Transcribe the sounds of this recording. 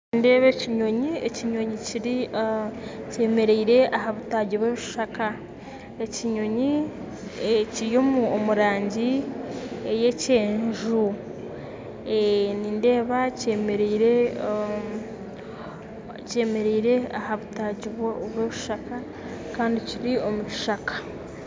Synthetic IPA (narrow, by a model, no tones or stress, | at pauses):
ninde̞ːβeciɲo̞ɲieciɲo̞ɲiciɾi | ce̞ːme̞ɾeiɾe̞aɦaβutaɟiβweːβiʃʃaka | eciɲo̞ɲi | ciɾjo̞muomuɾaːɲɟi | eje̞ce̞ːɲʒu | eninde̞ːβace̞ːmeɾeiɾe̞ | ce̞ːme̞ɾeiɾeahaβutaɟiβoβweβiʃaka | kaːndiciɾio̞muci̥ʃakḁ